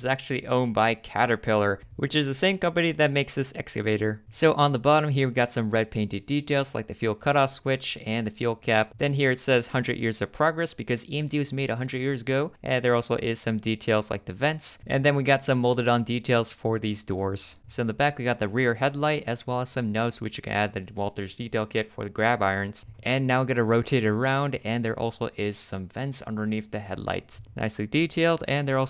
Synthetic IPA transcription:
zæk̚t͡ʃʉl̩ˠḭʔõʊ̃nbaɪkʰæ̰ɾə˞pʰɪlˠə˞wɨt͡ʃɨzðɨsẽɪ̃mkʌ̃mpɨniðɨt̚meɪksðɪsɛ̰kskɨveɪɾə˞soʊʔə̃nðəbɑɾə̃mɦiɹwiɡɑtsʌ̃mɹɛd̚pʰẽɪ̃ntɨditeɪlˠz̥la̰ɪk̚ðɨfjulˠkʰʌɾɔfswɪt͡ʃɨ̃nðɨfjulˠkʰæp̚ðɨ̃nɦiɹɨtsɛz̥hʌ̃ndɹɨ̰djʔɪ̰ɹzʌv̥pʰɹ̥ɑɡɹɛsb̥ɨkʰʌziɨ̃mdizmeɪɾɨɦʌ̃ndɹɨdjɪɹzɨɡoʊʔɨ̃nðə˞ɔlˠsoʊʔɪz̥sʌ̃mditʰeɪlˠz̥la̰ɪk̚ðɨvɛ̃ntsʔɨ̰̃nðɨ̃nwiɡɑtsʌ̃mːoʊlˠdɨɾn̩ditʰeɪlˠz̥fə˞ðizdɔɹz̥soʊɨ̃nðəbækwiɡɑt̪̚ðɨɹɪɹɦɛdˡlaɪɾɨzwɛlˠəz̥sʌ̃mnoʊtswɨt͡ʃɨkʰɨ̰̃nʔæd̪̚ðɨwɔlˠtə˞zditʰeɪlˠkʰɪtfə̰˞ðɨɡɹæbaɪə̃˞nz̥ʔɨ̃nːaʊwiɡɑɾɨɹoʊtʰeɾə˞ãʊ̃ndɨ̃nðə˞ʔɔ̰lˠsoʊʔɪz̥sʌ̃ɱvɛ̃ntsʌ̰̃ndə˞niθðɨɦɛ̰dˡla̰ɪtna̰ɪsliditʰeɪlˠdɨ̃nðə˞ɔ

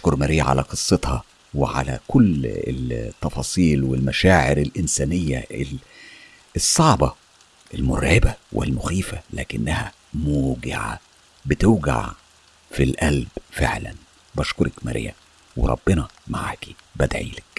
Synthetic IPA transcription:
ʔʃkoɾmæɾiːʕa̰læ̰qɨsˤːet̪hɑ | weʕa̰læ̰kʊlːḛt̪ːɑfɑːsˤiːlwelmæʃaːʕeɾelʔɪnsæːnejːæʔel | esˤːɑʕbɑ | ʔelmʊɾʕebæwʔḛlmʊxiːfælæːkɪnːæhæ | muːɡɪ̰ʕa̰ | bɪt̪oːɡa̰ʕ | filʔælbfḛʕlæ̰n | bæʃkoɾˤɑkmæ̰ɾʔḭːæ̰ | wḛɾˤɑ̰b̥ːenɑmaʕa̰ːki̥bæd̪ʕḭːlæk

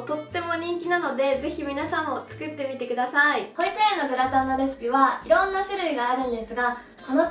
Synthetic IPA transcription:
t̪o̞t̪ːe̞mo̞ɲ̟ĩŋkʲinano̞d̪e̞ze̞çimʲinasãmot͡sɨ̥kɯ̟t̪ːe̞mʲit̪e̞kɯ̟d̪asaihoikaeno̞ɡɯ̟ɾat̪ãnːo̞ɾe̞sɨ̥pʲiβaiɾõ̞nːaɕiɾɯ̟iɡaːɾɯ̟̃nd̪e̞sɨɡa | t̪ano

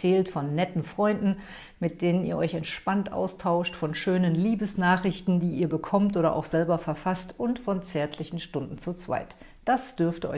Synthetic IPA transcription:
t͡sɛːltfɔnːɛtn̩fʁ̥ɔʏndn̩ | mɪt̚d̥eːnənḭːɐʔɔʏçɛntʃpantʔa̰ʊstʰaʊʃtfɔnʃøːnənliːbəsnaːχʁ̥ɪçtn̩diːʔiːɐbəkʰɔmtʔoːɾɐ̰ʔa̰ʊxz̥ɛlbɐfɛɐfastʊntfɔnt͡sɛːɐtʰlɪçn̩ʃtʊndn̩t͡sut͡sv̥a̰ɪt | d̥asd̥ʏɐftəʔɔ̰

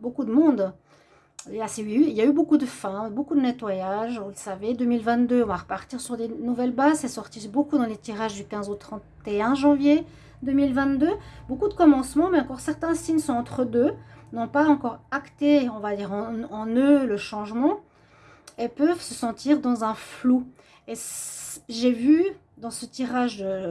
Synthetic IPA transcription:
bokud̪əmɔ̃d̪ | aseyiljaybokud̪əfɛ̃bokud̪ənɛt̪wajaʒvuləsaved̪ømilvɛ̃t̪d̪øɔ̃vaʁəpaʁt̪iʁsyʁd̪enuvɛlbazsɛsɔʁt̪ibokud̪ɑ̃let̪iʁaʒd̪ykʲɛ̃zot̪χɑ̃t̪eɛ̃ʒɑ̃vje | d̪ømilvɛ̃t̪̚d̪øbokud̪əkɔmɑ̃smɑ̃mɛɑ̃kɔʁsɛʁt̪ɛ̃siɲsɔ̃ɑ̃t̪χəd̪ønɔ̃paɑ̃kɔʁakt̪eɔ̃vad̪iːʁɑ̃ɑ̃nøləʃɑ̃ʒmɑ̃ | epœvsəsɑ̃t̪ʰiʁd̪ɑ̃zɛ̃flu | esʒevy | d̪ɑ̃sət̪iʁaʒd̪ə

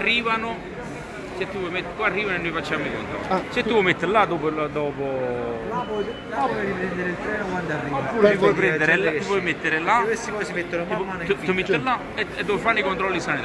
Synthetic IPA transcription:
rːiːvano | set̪ːupːwɔjmet̪ːkarːiːvanoenːojfat͡ʃːamoiko̰nt̪ɾɔ̰lːisɛt̪ːupwɔjmet̪ːeɾlad̪ɔːpod̪ɔːpolapɔ | apɔjɾipɾɛnd̪eɾilt̪ɾɛːnokwand̪arːianpːuɾipɔjp̬ɾɛnd̪eɾeupwɔjmet̪ːeɾelaest̪ipɔjsimet̪ːonommanuumet̪ːelːa | eed̪ːɔvfanːoikont̪ɾɔlːisanid̪

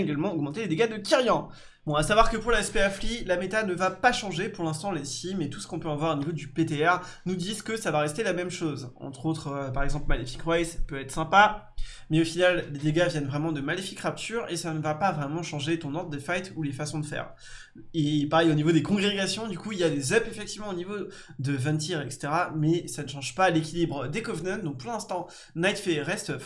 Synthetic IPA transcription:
eɡalmɑ̃ɔɡmɑ̃t̪eled̪eɡad̪əkʲiʁjɑ̃ | b̥ɔ̃asavwaʁkəpuʁlaɛspeaflilamet̪anəvapaʃɑ̃ʒepuʁlɛ̃st̪ɑ̃lesimet̪u̥sə̥kɔ̃pøɑ̃vwaʁonivod̪ypet̪eɛʁ | nud̪izkəsavaʁɛst̪elamɛmʃozɑ̰̃t̪χot̪χpaʁɛɡzɑ̃plmalefi̥kʁwajspøvɛt̪χsɛ̃pa | mɛofinalːed̪eɡavjɛnvʁɛmɑ̃d̪əmalefikʁap̚t̪ʰyʁesanəvapavʁɛmɑ̃ʃɑ̃ʒet̪ɔ̃nɔ̃ʁd̪d̪əfajt̪ulefasɔ̃d̪əfɛ̰ːʁ | epaʁɛjonivod̪ekɔ̃ɡʁeɡasjɔ̃d̪ykuiljad̪ezœpefɛk̚t̪ivmɑ̃onivo | d̪əvɛ̃t̪ʰiʁɛkse̥t̪eʁamɛsanəʃɑ̃ʒpalekʲilibʁəd̪ekɔvnœnd̪ɔ̃k̚puʁlɛ̃st̪ɑ̃ | najt̪feʁɛst̪

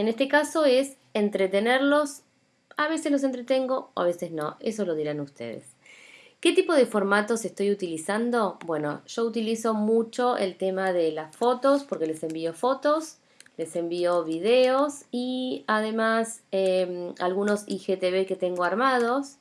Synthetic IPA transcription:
enest̪ekaso̞es | ent̪ɾet̪e̞neɾlo̞s | aβ̞e̞seslo̞s̬e̞nt̪ɾet̪e̞ŋɡo̞o̰a̰βesesno̞esoloð̞iɾanust̪ḛð̞ḛs | ket̪ipo̞ðe̞fo̞ɾmat̪o̞sest̪o̞jut̪ilisand̪o̞bwe̞no̞̰ʒ̥o̞ut̪iliso̞mut͡ʃo̞ʔḛlt̪emaðelasfo̞t̪o̞spoɾke̞le̞se̞mbio̞fo̞t̪o̞s | le̞se̞mbioβiðeosiaðe̞masemalɣuno̞sixet̪eβeket̪e̞ŋɡo̞aɾmað̞os

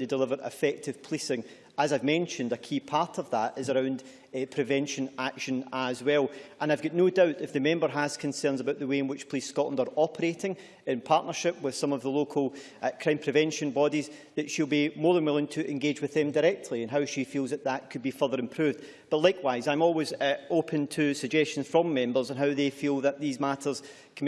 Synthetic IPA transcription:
ɨdɪlˠɪvə˞ʔɪ̰fɛk̚tʰɪv̥pʰl̥isɪ̃ŋ | əzaɪvmɛ̃nʃə̃ndəkʰiːpʰaɹtʰəvðəʔɪzəɹãʊ̃nd̥ | pʰɹ̥ɪvɛ̃nʃə̃nakʃə̃nəzwɛlˠʔə̃ñaɪvɡɔʔnodaʊʔɪfðəmɛ̃mbə˞əz̥kʰə̃nsɜ̃˞nzəbaʊʔðəweɪ̃nwɪt͡ʃpʰl̥iskɔʔlˠə̃ndə˞ɔpʰəɹeʔɪ̃ŋ | ɪ̃npʰaɹʔnə˞ʃɪp̚wɪð̥sʌ̃məvðəlˠokʰəlˠ | kʰɹ̥ãɪ̃mpʰɹ̥ɪvɛ̃nʃə̃nbɔdizðətʃilˠbimɔɹðə̃nwɪlˠɪ̃ŋtʰəʔɪ̃nɡed͡ʒwɨðɨ̃mdəɹɛk̚tʰlˠiə̃nɦaʊʃifilˠzðəʔðəʔkʰɨd̚bifɜ˞ðə˞ɨ̃mpʰɹ̥ʉvd | b̥ʌʔlˠaɪkʰwaɪzãɪ̃mɔlˠwɪzopʰə̃ntʰɨsəɡ̚d͡ʒɛst͡ʃə̃nz̥fɹə̃mːɛ̃mbə˞zə̃nɦaʊðefilˠðəʔðizmaʔə˞z̥ | kʰ

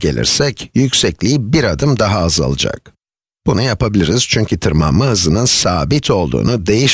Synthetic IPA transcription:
ɟelʲḭɾsɛcjycʲsɛclʲibiɾad̪ɯmd̪aɦaːza̰lˠɯd͡ʒa̰k̚ | b̥unujapʰabilʲiɾiz̥t͡ʃʰyɲcʰyt̪ʰɯɾma̰mːahɯzɯnɯnsaːbit̪ʰo̞lˠd̪ṵːnud̪e̞jiʃ

